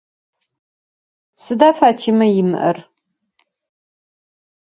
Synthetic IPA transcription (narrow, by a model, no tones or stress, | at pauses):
sɨdaːfaːtʰiːmɐjɪmɨ̰ʔɐ̰r